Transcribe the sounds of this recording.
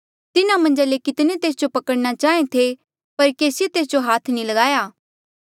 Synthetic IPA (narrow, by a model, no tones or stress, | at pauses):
t̪ɪnãmɐ̃nd͡ʒalekɪt̪net̪eːsd͡ʒopɐkəɽñat͡ʃaːẽt̪ʰe | pɐɾkeːsɪjet̪eːs̬d͡ʒoɦaːt̪ʰnĩlɐɡaːjaː